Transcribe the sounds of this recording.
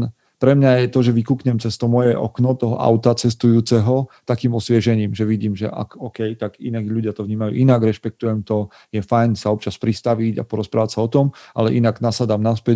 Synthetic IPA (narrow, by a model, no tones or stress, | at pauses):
pɾɛmɲajɛt̪ɔʒɛʋikuːkɲɛmt͡sɛst̪ɔmɔjɛʔɔ̰knɔt̪ɔɦɔ̰ʔa̰ʊt̪at͡sɛst̪ujuːt͡sɛɦɔt̪akiːmɔsʋɪɛʒɛɲiːmʒɛʋiɟiːmʒɛ̰ʔa̰kɔːkɛjt̪aɡinaɡʎuɟɪat̪ɔvɲiːmajṵːʔinaɡɾɛʃpɛk̚t̪ujɛmt̪ɔ | jɛfajnsaɔp̚t͡ʃaspɾist̪aʋiɟa̰pɔɾɔspɾaːʋatsaɔt̪ɔmʔa̰lɛʔinaɡnasad̪amnaspɛ